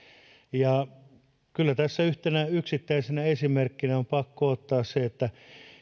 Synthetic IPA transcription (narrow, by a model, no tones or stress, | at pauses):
jɑ | kylːæt̪æsːæyht̪enæyksit̪ːæisenæesimerkːinæompɑkːoot̪ːɑːsseet̪ːæ